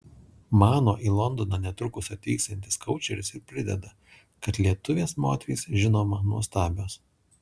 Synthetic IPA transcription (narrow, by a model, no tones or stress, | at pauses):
mɑːnoːʔiːlˠɔnd̪oːnɑnʲɛt̪ɾʊkʊsʲɐt̪ʲiːksʲɛnʲt̪ʲɪskɒʊt͡ʃʲɛɾʲɪsɪɾpʲɾʲɪd̪ʲɛ̰d̪ɐ | kɐt̪lʲiɛt̪ʊʋʲeːsmoːt̪ʲʋʲḭːsʒʲɪnoːmɐnuɔst̪ɑːbʲoːs